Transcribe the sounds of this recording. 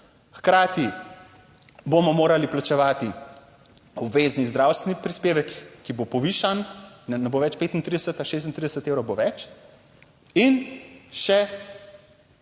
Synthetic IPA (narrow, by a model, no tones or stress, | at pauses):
xkɾaːt̪i | bomɔmoːɾaliplat͡ʃɛʋaːt̪i | ubʋeːznizd̪ɾawst̪ʋɛnipɾispeːʋɛkːibopɔʋiːʃannɛnɛboːʋɛt͡ʃpeːt̪int̪ɾid̪ɛsət̪aʃeːs̬t̪int̪ɾid̪ɛsət̪ewɾɔwboʋɛt͡ʃ | inʃɛ